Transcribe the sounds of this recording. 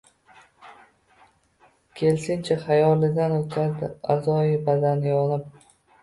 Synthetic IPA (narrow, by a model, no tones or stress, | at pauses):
kʲʰe̞lsɪnt͡ʃʰaχajɒlːɪd̪anot̪qʰaɾd̪ɪa̰zɒjɪbad̪anjɒnɪp̚